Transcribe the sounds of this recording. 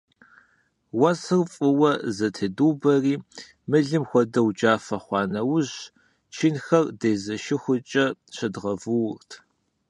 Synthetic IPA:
wɐsɨrfʼɨwɐzɐtʰɨduːbɐriː | mɨɮɨmxʷɔdɐwd͡ʒaːfɐχʷɑːnɐwʊʑ | t͡ʃʰinxɐrdeːzɐʃɪxʷʊt͡ʃʼɐɕɪdʁɐvɨwrtʰ

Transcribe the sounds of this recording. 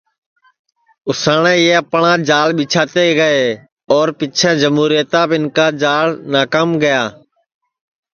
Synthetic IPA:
ʊsaːɳẽːeːəpɳãːd͡ʒaːlɓɪːt͡ʃʰaːt̪eːɡəeː | ɔːɾpɪt͡ʃʰɛ̃ːd͡ʒəmuːɾijət̪ãːbɪnkaːd͡ʒaːlnaːkaːmɡəjaː

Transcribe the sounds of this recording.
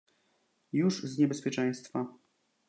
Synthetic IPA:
juʐzɲɛbɛspʲjɛt͡ʂɛ̃j̃st̪fa

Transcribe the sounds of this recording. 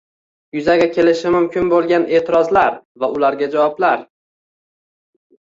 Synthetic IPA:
jʊzaɡʲakʲʰe̞lɪʃɪmʊmkʲʰɪnbolˠɡʲane̞ːt̪ʰɪɾɒzlaɾvaʊlaɾɡʲad͡ʒawɒblaɾ

